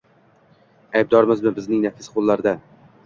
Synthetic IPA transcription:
ajb̚d̪ɒɾmɪzmɪbɪznɪŋnafɪ̥sqʰolˠːaɾd̪a

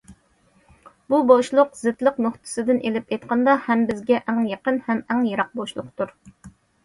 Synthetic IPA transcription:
buboʃlˠʊqzɪt̪lˠəqnoχt̪ʰɨ̥sɨd̪ɪnʔelɪpejt̪qʰɑnd̪ɑhɛmbɪzɡʲɛʔæŋjɑqənhɛmɛŋjɑɾɑq̚boʃlˠʊ̰qt̪uɾ

